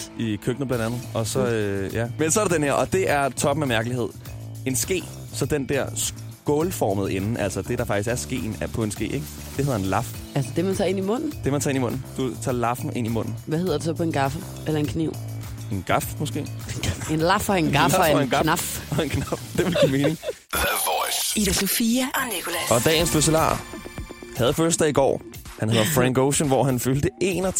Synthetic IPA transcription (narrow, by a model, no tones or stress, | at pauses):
ikʰøɡ̥n̩əb̥lænd̥ænð̩ˠɒ̽sɒ̽øjæmensɒ̽æɐɾ̥ed̥enheɐʔɒ̽d̥e̝ʔæɐt͡sʰɒ̽b̥memæɐɡ̥əlihe̝ð̞̰ˠ | e̝nsɡ̥e̝̰ː | sɒ̽d̥end̥ɛɐ̰s | ɡ̥ɔːlfɒːməð̩ˠe̝nn̩ʔæl̰sɐd̥e̝ɾ̥ɑ̈fɑ̈ɡ̥isɡæɐsɡ̥e̝̰ːn̩pʰɒ̽e̝nsɡ̥e̝̰ːeɡ̥ | d̥e̝heð̰ˠɐenlɑ̈f | ælsəd̥e̝mænt͡sʰɑ̈ːe̝nimɔ̽n̰n̩d̥e̝mænt͡sʰɑ̈e̝nimɔ̽n̰n̩d̥ut͡sʰɑ̰̈ːlɑ̈fn̩ʔe̝n̰imɔ̽n̰n̩ʋæheðˠɐd̥us̬ɒ̽pʰɒ̽e̝nɡ̥ɑ̈fə | elɐe̝nkʰniʊ̰ | e̝nɡ̥ɑ̈fmɔ̽sɡ̥e̝̰̥ːenlɑ̈fɒenɡ̥ɑfenɡnɑfɒenkʰnɑfd̥e̝ʋelɡ̥ḭːme̝ːne̝ŋ | id̥æsofiænikʰolæɒ̽d̥ɛ̰ːn̩sb̥us̬elɑ̰̈ː | hæð̞ˠføsd̥ɐiɡ̥ɒ̰ːhænhe̝ð̞̰ˠɐfʁæŋɡ̥oʊɕənʋɒɦænføld̥əe̝ːnɒ